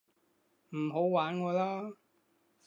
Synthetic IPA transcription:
m̩˨˩ɦo˨˥wwaː˨˥nŋɔː˨˧laː˥

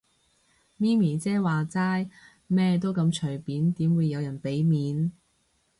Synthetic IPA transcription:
miː˥miː˨˩t͡sɛː˥waː˨˩t͡saː˥j | mɛː˥t̪o˥wkɐ˧mt͡ʃʰɵ˨˩jpiː˨˥nt̪iː˨˥mwuː˨˧jːɐ˨˧wjɐ˨˩npe˨˥jmiː˨˥n

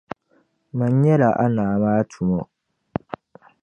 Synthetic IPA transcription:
ma˨ɲ˦ɲɛ˦la˨ʔa̰˦naː˨maː˦tʰu˨mɔ˦

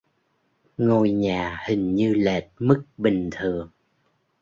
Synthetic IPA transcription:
ŋo˧jɲaː˨˩hï˨˩ŋ̟ɲɨ˧le˨˩t̚mɨ˦˥k̚ɓï˨˩ŋ̟t̪ʰɨ˨˩əŋ

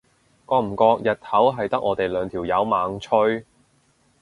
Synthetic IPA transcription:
kɔː˧m̩˨˩kɔː˧k̚jɐ˨t̪̚hʰɐ˨˥wɦɐ˨jt̪ɐ˥k̚ʔɔː˨˧t̪e˨jlœː˨˧ŋt̪ʰiː˨˩wjɐ˨˧wmaː˨˥ŋt͡ʃʰɵ˥ɥ

